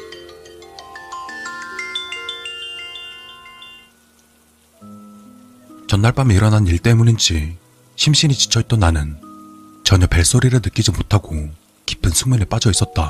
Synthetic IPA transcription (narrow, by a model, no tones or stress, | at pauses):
t͡ɕʌnːaɭp͈amiiɾʌnɦaniɭt͈e̞munind͡ʑi | ɕʰimɕ͈init͡ɕi̥t͡ɕʰʌit͈ʌnːanɯn | t͡ɕʌɲʌpe̞ɭs͈oɾiɾɯnɯk͈id͡ʑimotʰaɡo | ki̥pʰɯnsʰuŋmjʌnep͈ad͡ʑʌis͈ʌt̚t͈a